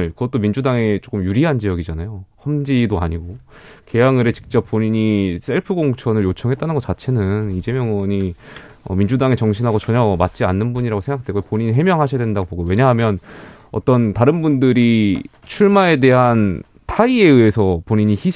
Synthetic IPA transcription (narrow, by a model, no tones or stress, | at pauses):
ɭkɯɡʌt͈omind͡ʑudaŋe̞t͡ɕ͈ok͈ɯmjuɾiɦand͡ʑijʌɡid͡ʑanajohʌmd͡ʑidoa̰ɲiɡo | ke̞jaŋɯɾet͡ɕi̥k̚t͡ɕ͈ʌp͈̚ːoɲiɲis͈ʰe̞ɭpʰɯɡoŋt͡ɕʰʌnɯɭjot͡ɕʰʌŋɦet͈anɯnɡʌt͡ɕ͈at͡ɕʰe̞nɯnid͡ʑe̞mjʌŋwʌɲi | ʌ̰mind͡ʑudaŋe̞t͡ɕʌŋɕʰinɦaɡot͡ɕʌɲʌmat̚t͡ɕ͈ianːɯnbuɲiɾaɡosʰeŋɡak̚dwe̞ɡopoɲiɲiɦe̞mjʌŋɦaɕʰijadwendaɡoboɡowe̞ɲaɦamjʌn | ʌ̰t͈ʌntaɾɯnbundɯɾi | t͡ɕʰuɭmae̞de̞ɦan | tʰaie̞ɯesʰʌpoɲiɲiçi